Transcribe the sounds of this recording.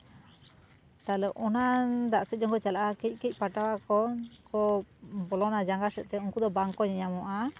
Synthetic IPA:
t̪alɛʔɔnad̪aʔsɛt̪̚d͡ʒɔŋkɔt͡ʃalaʔakɛc̚ˀkɛc̚ˀpaʈawakɔkɔbɔlɔnad͡ʒaŋɡasɛt̪̚ˀt̪ɛunkud̪ɔbaŋkɔɲɛɲamɔʔa

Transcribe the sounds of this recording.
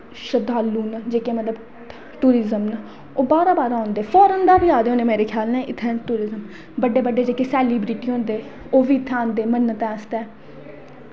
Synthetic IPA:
ʃəd̪aːlːuːnad͡ʒeːkeːmət̪ləb | ʈuːɾɪzəmna | oːbaːɾaːbaːɾãõːnd̪eːfʰɔːɾənd̪aːbɪjaːd̪eõːneːmeːɾeːkʰjaːlnɛ̃ːʔɪt̪ʰːɛ̃ːʈuːɾɪzəm | bəɖːeːbəɖːeːd͡ʒeːkeːsɛːliːbɾiːʈiːɦõːnd̪eː | oːʋiːt̪ʰːãːnd̪eːmənːət̪ɛ̃ːst̪ɛː

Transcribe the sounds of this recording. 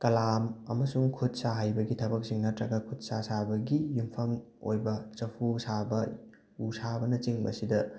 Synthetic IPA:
kɐlamɐ̰mɐsuŋkʰut̚saɦajbɐɡitʰɐbɐk̚siŋnɐtɾɐɡɐkʰut̚sasabɐɡijumpʰɐm | o̰jbɐt͡ʃɐpʰusabɐ | usabɐnɐt͡ʃiŋbɐ̰sidɐ

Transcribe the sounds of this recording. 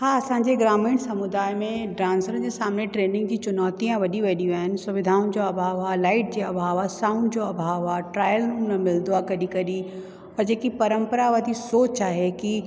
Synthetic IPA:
haɐsãːɲd͡ʑeɡɾaːmĩːɽsɐmʊd̪aːjmẽɖɾãːnsəɾ̃d͡ʑesaːmneʈɾeːnɪ̃ŋɡ̚d͡ʑit͡ɕʊnɔːt̪ijãʋɐɗiʋɐɗiʋaːɦɪnɪ̆sʊʋɪd̪ʱaːũnd͡ʑoɐbʱaːʋɦaːlaːɪʈ̚d͡ʑeɐbʱaːʋɦasaːʊ̃ɳɖd͡ʑoɐbʱaːʋɦaːʈɾaːjəlɾuːmnɐmɪld̪uakɐɗikɐɗi | ɔːɾd͡ʑeːkipɐɾə̃mpəɾaʋɐd̪ʱisoːt͡ɕaːɦeki

